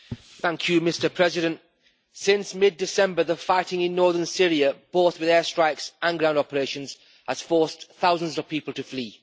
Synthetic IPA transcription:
θæ̃ŋkʰjɨmɪstəpʰɹ̥ɛzɪɾə̃nt | sɪ̃nsmɪd̚ɪsɛ̃mbə˞ðəfaɪtɪ̃ŋɪ̃nːɔɹðə˞nsɪɹiəb̥oʊθwɨðɛstɹ̥aɪksə̃nɡɹãʊ̃ndɑpəɹeɪʃə̃nz̥ | həz̥fɔɹsθaʊzə̃nzʌv̥pʰiˑpəl̩ˠtʰəfliː

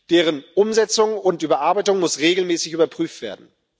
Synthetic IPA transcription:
d̥eːʁənʔʊmzɛt͡sʊŋʊntʔyːbɐʔaɐbaɪtʊŋmʊsʁeːɡl̩mɛːsɪçʔyːbɐpʁ̥yːftv̥eːɐdn̩

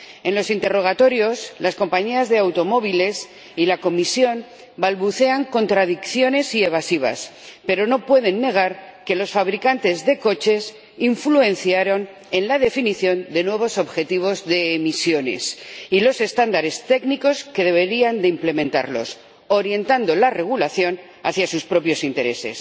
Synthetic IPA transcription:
e̞nlo̞sint̪e̞ro̞ɣ̞at̪o̞ɾjo̞slasko̞mpaɲiazðe̞awt̪o̞mo̞β̞ile̞s | ilako̞misjo̞n | balβuθe̞aŋko̞nt̪ɾaðikθjo̞ne̞sie̞β̞asiβ̞a̰s | pe̞ɾo̞no̞pwe̞ð̞e̞nːe̞ɣ̞aɾke̞lo̞sfaβɾikant̪e̞zðe̞ko̞t͡ʃe̞s | iɱflue̞nθjaɾo̞n | e̞nlaðe̞finiθjo̞nd̪e̞nwe̞β̞o̞so̞βxe̞t̪iβ̞o̞zðe̞ːmisjo̞ne̞̰silo̞se̞st̪and̪aɾe̞st̪e̞kniko̞ske̞ðe̞β̞e̞ɾiand̪eimple̞mẽ̞nt̪a̰ɾlo̞̰s | o̞ɾje̞nt̪and̪o̞lare̞ɣ̞ulaθjo̞n | a̰θjasuspɾo̞pjo̞sint̪e̞ɾe̞̰se̞̰s

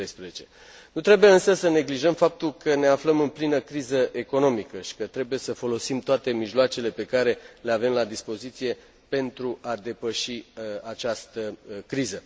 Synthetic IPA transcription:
ejspɾezet͡ʃe̞ | nut̪ɾe̞bujeɨnsəsəne̞ɡliʒəmfap̚t̪ulkʰəne̞afləmɨnplinəkɾizəʔe̞ko̞no̞mikəʃi̥kət̪ɾe̞buje̞səfo̞lo̞simt̪oat̪e̞miʒloat͡ʃe̞le̞pe̞kaɾe̞le̞ave̞mlad̪ispo̞zit̪sije̞ | pe̞nt̪ɾuʔad̪e̞pəʃiat͡ʃast̪əkɾizə

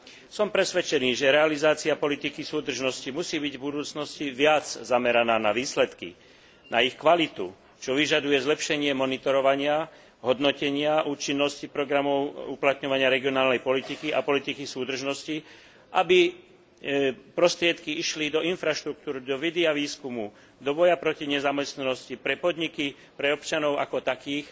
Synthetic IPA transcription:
sɔmpɾɛsʋɛt͡ʃɛniːʒɛɾɛalizaːt͡siapɔlit̪ikisuːd̪r̩ʒnɔscimusiːbiɟvbud̪uːt͡snɔsciʋɪad͡zzamɛɾanaːnaʋiːslɛt̪kḭ | nʔaixkʋalit̪ṵ | t͡ʃɔʋiʒad̪ujɛzlɛpʃɛɲɪɛmɔnit̪ɔɾɔʋaɲɪa | ɦɔd̪nɔcɛɲɪaʔuːt͡ʃinːɔscipɾɔɡɾamɔʊuplat̪ɲɔʋaɲɪaɾɛɡiɔnaːlnɛjpɔlit̪ikiʔa̰pɔlit̪ikisuːd̪r̩ʒnɔsci | ʔabi | pɾɔst̪ɾɪɛt̪kiiʃlid̪ɔinfɾaʃt̪ɾuk̚t̪uːɾd̪ɔʋid̪iaʋiːskumu | d̪ɔbɔjapɾɔciɲɛzamɛst̪nanɔscipɾɛpɔd̪ɲiki | pɾɛɔpt͡ʃanɔʊa̰kɔt̪akiːx

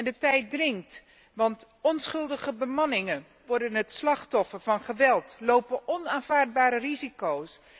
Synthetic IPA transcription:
ɛndətɛjt̚drɪŋkt | ʋɑnt | ɔnsχɵlˠdəχəbəmɑnɪŋən | ʋɔɹdənɦətslɑχtɔfəɹvɑnχəʋɛlˠtlowpənɔnaːnv̥aːɹd̚baːɾərizikows

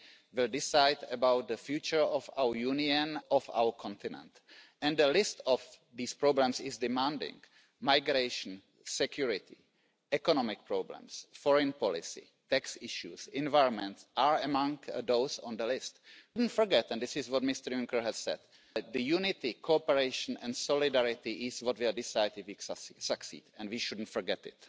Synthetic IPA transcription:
ʋɪldɪsajdəbawt̪̚d̪əfjut͡ʃəɹɔfawəɹjuniə̃nɔfa̰wəɹkʰɔ̃nt̪ɪnɛ̰̃nt̪ | ɛ̃ndəlɪst̪ɔf | d̪iːspɾoblɛ̃msɪzdɪmãndɪ̰̃ŋ | majɡɾeɪʃn̩ | sɛkjuɹɪt̪ɪ | ɛkonɔmɪk̚pɹoblɛ̰̃msfɔɹɛ̃npɔlɪ̰sɪ̰ | t̪ɛksɪʃjusɪ̃nvajɾɔ̃nmɛ̃nt̪sʔaːɹəmãŋkd̪owsɔ̰̃nd̪əlɪstdn̩tfɔɾɡɛt̪ɛ̃nd̪ɪsɪsʋɔt̪mɪst̪əɾjʊŋkəɹɦɛssɛ̰d | d̪əjunɪt̪ɪkʰoːpɛɾeɪʃn̩ɛ̰̃nsɔlɪdɛɾɪt̪ɪʔɪsʋɔt̪ʋɪldɪsajdɪfiksaksḭːdɛ̃ndʋiʃʊdn̩tfɔɹɡɛtɪ̰t̪

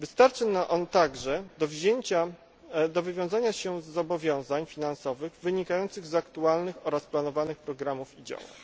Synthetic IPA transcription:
vɘst̪aɾt͡ʂɘnaʔɔnt̪aɡʐɛd̪ɔvʑeɲt͡ɕa | d̪ɔvɘvʲjɔ̃w̃zaɲaɕɛzːɔbɔvʲjɔ̃w̃zaɲfʲinansɔvɘɣvɘɲikajɔnt̪sɘɣzakt̪ualnɘxɔɾasplanɔvanɘxpɾɔɡɾamufid͡ʑa̰wa̰

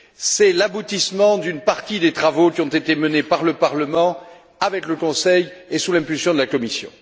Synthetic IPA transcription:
sɛlabut̪ismɑ̃d̪ynpaʁt̪id̪et̪χavokʲiɔ̃t̪et̪emənepaʁləpaʁləmɑ̃ | avɛkləkɔ̃sɛjesulɛ̃pylsjɔ̃d̪əlakɔmisjɔ̰̃

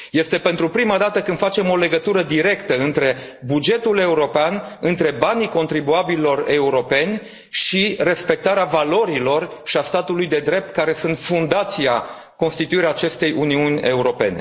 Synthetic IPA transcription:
je̞st̪e̞pe̞nt̪ɾupɾimad̪at̪əkɨnfat͡ʃe̞mo̞le̞ɡət̪uɾəd̪iɾe̞kt̪əɨnt̪ɾe̞bud͡ʒe̞t̪ule̞uɾo̞peanɨnt̪ɾe̞baniko̞nt̪ɾibuabilːo̞re̞uɾo̞pe̞nʲ | ʃire̞spe̞k̚t̪aɾeavalo̞ɾilo̞rʃiast̪at̪ulujd̪e̞d̪ɾe̞p̚t̪kaɾe̞sunt̪fund̪at̪sia | ko̞nst̪it̪uiɾeaːt͡ʃe̞st̪e̞juniunʲe̞̰uɾo̞pe̞̰ne̞̰

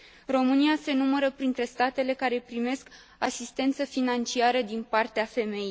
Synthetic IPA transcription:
ro̞mɨniase̞numəɾəpɾint̪ɾe̞st̪at̪e̞le̞kaɾe̞pɾime̞sk | asist̪e̞nt̪səfinant͡ʃiaɾəd̪inpart̪eafe̞me̞jij

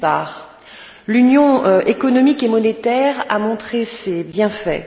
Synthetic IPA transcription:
pa̰ːʁ | lynjɔ̃ekɔnɔmikemɔnet̪ɛʁa̰mɔ̃t̪χesebjɛ̃fɛ̰

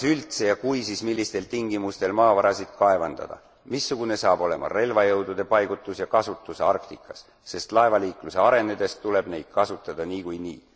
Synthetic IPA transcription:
sylt̪se̞jɑkujsismilːist̪e̞lt̪iŋɡ̥imust̪e̞lmɑːvɑɾɑsid̪̥kɑe̞vɑnd̪̥ɑ̰d̪̥ɑ̰ | misːuɡ̥une̞sɑːbo̞le̞mɑ̰re̞lvɑjɤwd̪ud̪̥e̞pɑjɡ̥ut̪ːˑusjɑkɑsut̪ːˑuseɑrkt̪ikːˑɑsː | e̞st̪lɑe̞vɑliːkluse̞ɑɾe̞ned̪̥e̞st̪t̪ule̞b̥ne̞jd̪̥kɑsut̪ːˑɑd̪̥ɑniːkujnḭː

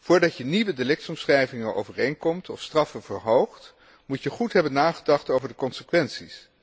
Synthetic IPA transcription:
v̥ʊːɹdɑcjəniʋədelɪk̚tɔmsχrɛjvɪŋənʔo̰wvərejnkɔmtɔfstrɑfənv̥əɹɦowχt | mucjəχutɦɛbənːaːχədɑχtowvəɹdəkɔnsəkʋɛnsis

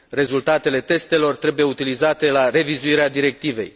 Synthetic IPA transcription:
re̞zult̪at̪e̞le̞t̪e̞st̪e̞lo̞rt̪ɾe̞buje̞ut̪ilizat̪e̞lare̞vizuiɾead̪iɾe̞k̚t̪ive̞̰j

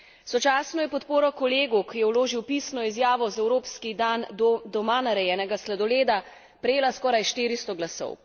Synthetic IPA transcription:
sɔt͡ʃaːsnɔjɛpɔt̪poːɾɔkɔleːɡukijɛwloːʒiwpisnɔizjaːʋɔzɛwɾoːpskid̪and̪ɔmanaɾɛjɛːnɛɡaslad̪ɔleːd̪a | pɾɛjeːlaskɔːɾajʃt̪iːɾist̪ɔɡlasɔ̰w

